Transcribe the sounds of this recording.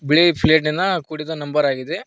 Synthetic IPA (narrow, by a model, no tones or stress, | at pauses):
biɭipʰleːʈ̬nind̪ɐkuːɽid̪ɐnɐmbɐɾaːɡid̪e